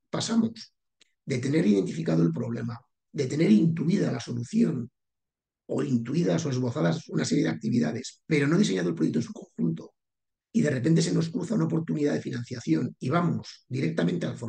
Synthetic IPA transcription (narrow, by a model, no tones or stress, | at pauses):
pasamos | d̪e̞t̪e̞ne̞ɾiðe̞nt̪ifikaðo̞e̞lpɾo̞β̞le̞̰ma | d̪e̞t̪ene̞ɾint̪uiðalaso̞luθjo̞n | o̞̰int̪uiðaso̞e̞zβo̞θaðasunase̞ɾje̞ðak̚t̪iβiða̰ðe̞spe̞ɾo̞no̞ð̞ise̞ɲaðolpɾekt̪onsukõ̞xunt̪o̞ | iðe̞re̞pnt̪̬e̞se̞no̞skɾuθaunaopo̞ɾt̪uniðaðe̞finãn̟θjaθjo̞niβ̞amoz̥d̪iɾe̞k̚t̪amẽ̞nt̪ealfo